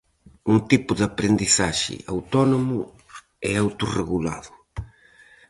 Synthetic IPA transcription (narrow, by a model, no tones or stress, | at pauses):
uŋt̪ipʊðapɾend̪isaʒɪ̰awt̪ɔnomʊ | ɛawt̪ureɣula̰ðʊ